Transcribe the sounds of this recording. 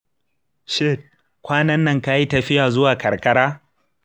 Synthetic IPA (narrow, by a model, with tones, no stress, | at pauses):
ʃe˦˨t̚ | kʷaː˦nɐ˦nːɐ˦ŋkaː˦ji˦tɐ˨ɸɪ˦jaː˨zʊ˦waː˨kɐ˨ɽkɐ˦ɽaː˦